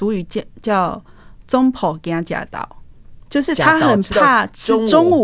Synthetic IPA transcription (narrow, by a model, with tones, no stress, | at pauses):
u˨˦y˨˩˦t͡ɕt͡ɕjɑ˥˩ʊt͡sʊ˦ŋpʰɔ˨˩˦kja˦t͡ɕja̰˨˩t̪ɑ̰˥˨˩ʊt͡ɕjo˥˧ʊʂɻ̩˥˩t̪ʰa˦xə˨˩npʰa˥˧t͡ɕʰi˧˥ʈ͡ʂʊ˥˦ŋu˨